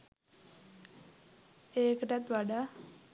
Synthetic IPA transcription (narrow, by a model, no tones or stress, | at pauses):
eːkəʈat̪ʋaɖa